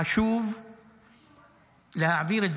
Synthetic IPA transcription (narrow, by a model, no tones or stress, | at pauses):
aʃuːf | lahaʕabiːɾɪz